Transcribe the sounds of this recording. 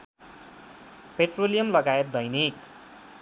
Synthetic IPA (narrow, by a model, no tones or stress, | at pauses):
peʈrolijʌmlʌɡaet̪̚d̪ʌjnik